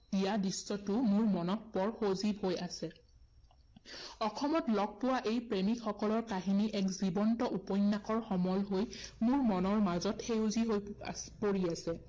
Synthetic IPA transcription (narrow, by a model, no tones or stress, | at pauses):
ijadɹisːɔtʊmʊɹmɔnɔt̚pɔɹxozibɦojasɛ | ɔxʰɔmɔtlɔɡ̚powaʔejpɹemikxɔkɔlɔɹkaɦiniʔɛkzibɔntɔʔupɔjnːakɔɹxɔmɔlɦojmʊɹmɔnɔɹmazɔtxejuziɦojpoɹiasɛ